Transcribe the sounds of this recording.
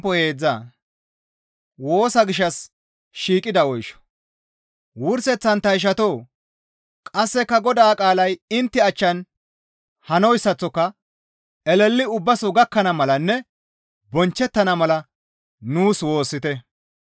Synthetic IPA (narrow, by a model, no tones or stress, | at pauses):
pɔhe̞ːd͡zːaː | wo̞ːsɐɡɪʃːɐs | ʃiːkʼːɪd̪ɐɔjʃɔ̥ | wʊɾsɛt͡sːɐnt̪ɐjɪʃ̬ɐt̪oː | kʼɐsːɛkːɐɡɔd̪aːkʼaːlɐjɪnt̪ːɪɐt͡ʃːɐn | hɐnɔjsːɐt͡sːɔkːɐ | ɛlɛlːɪʊbːɐsɔɡɐkːɐnɐmɐlɐnːɛ | bɔnt͡ʃːɛt̪ːɐnɐmɐlɐ | nuːswo̞ːsːɪt̪ɛ